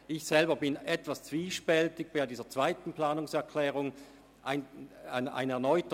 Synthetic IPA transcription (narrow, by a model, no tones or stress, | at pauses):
ʔɪçsɛlbɐbɪnɛtv̥ast͡sv̥iːʃpɛltɪɡ̚b̥aɪdiːzɐt͡sv̥aɪtn̩plaːnʊŋsɛɐkʰlɛːʁʊŋ | ʔaɪnaɪna̰ɪnɛɐnɔʏt